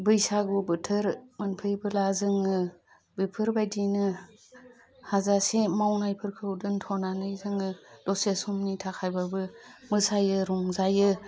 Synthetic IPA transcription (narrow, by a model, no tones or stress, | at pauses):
bɯjsaɡubɯtʰɯɾmanpʰɯjbɯlazɯŋɯ | bipʰɯɾbajdinɯ | hazasemawnajpʰɯɾkʰɯudɯntʰɔnanɯjzɯŋɯdɔsesumnitʰakʰajbabɯmɯsajɯɾuŋzajɯ